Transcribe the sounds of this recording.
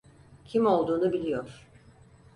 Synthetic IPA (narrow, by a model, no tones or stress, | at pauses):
cʰimo̞lˠd̪uːnubilʲijoɾ̥